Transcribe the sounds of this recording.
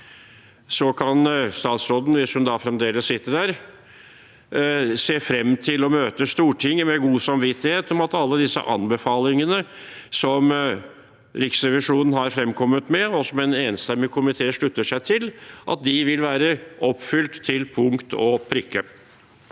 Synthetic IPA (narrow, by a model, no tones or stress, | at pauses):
sɔkʰɑnst̪ɑːt̪sɾoːd̪n̩ʋɪshʉnd̪ɑfɾɛmd̪eːləssɪt̪ːəɖæːɾ | seːfɾɛmːt̪ʰɪlɔmøːt̪əst̪uːʈʰɪŋːəmɛɡuːsɑmʋɪt̪ːɪheːt̪ɔmɑt̪ɑlːəd̪ɪsːə̰ʔɑ̰nbəfɑːlɪŋənə | sɔm | ɾɪksɾɛʋɪʂuːnn̩ɦɑɾfɾɛmkʰɔmːət̪mɛɔsɔmɛneːnst̪ɛmːɪkʰʊmɪt̪ʰeːʂɭʉt̪ːəʂæɪt̪ʰɪlʔɑ̰t̪̚d̪ɪʋɪlʋæːɾəʔɔpːfʏlt̪tʰːɪlpʰʊŋkt̪ʰɔ̰pʰɾʏkːə